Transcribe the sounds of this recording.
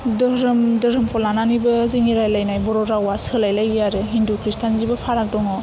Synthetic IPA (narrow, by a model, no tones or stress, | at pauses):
dɯɾɯmdɯɾɯmpʰɔlananibɯziŋiɾajlajnajbɔɾɔɾawasɯlajlajjaɾɯɦindukɾistʰanzibɯpʰaɾak̚dɔŋɔ